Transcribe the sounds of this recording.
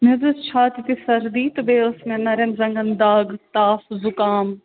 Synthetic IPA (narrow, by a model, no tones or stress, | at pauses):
mezust͡ʃʰaːt̪it̪isɐɾd̪iːt̪ubeːʊsmẽnɐɾɐnzɐ̃ŋɡɐnd̪aːɡt̪aːfzʊkaːm